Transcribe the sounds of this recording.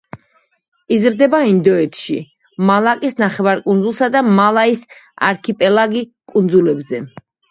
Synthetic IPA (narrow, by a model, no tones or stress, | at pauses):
izɾd̪ɛbaind̪ɔɛt̪ʰʃḭ | malˠakʼisnaχɛvaɾkʼund̪zulˠsad̪amalˠaisa̰ɾkʰipʼɛlˠaɡikʼund̪zulɛbzɛ